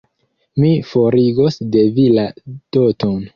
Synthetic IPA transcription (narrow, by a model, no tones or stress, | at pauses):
mifo̞ɾiɡo̞sde̞vilad̥oton